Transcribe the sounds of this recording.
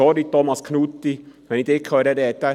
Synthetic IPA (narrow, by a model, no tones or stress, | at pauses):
ɔɾit̪ɔmɑskʰnut̪ːiʋɛnid̪ɪkʰhøːɾəɾɛt̪ə